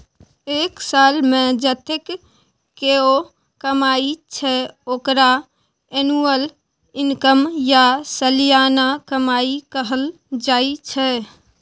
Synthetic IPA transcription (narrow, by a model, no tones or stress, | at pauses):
eːksalmẽd͡ʒət̪ekː | eo | kəmait͡ʃʰɛoːkɾa | enuəl | inkəmjasəlijanakəmaikəɦəl | d͡ʒait͡ʃʰɛ